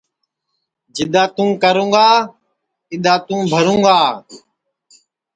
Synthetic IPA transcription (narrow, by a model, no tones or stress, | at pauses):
d͡ʒɪɗ̪aːt̪ũːkəɾũːɡaː | ɪɗ̪aːt̪ũːbʱəɾũːɡaː